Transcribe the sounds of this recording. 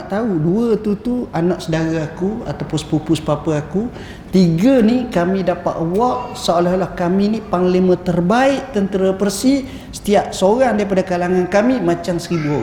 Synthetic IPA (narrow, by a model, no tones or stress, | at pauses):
aʔt̪auduət̪ut̪uanaʔsədaɾaakuat̪apʊspupʊspapəaku | t̪iɡənikamĩdapa̰ʔ̪wɔʔsaʔalalahkaminipaŋlimə̃t̪ərbaɪʔt̪ənt̪əɾapərsi | sə̥t̪iaʔsoɾaŋdaɾip̬adakalaŋankamimat͡ʃaŋsəɾibua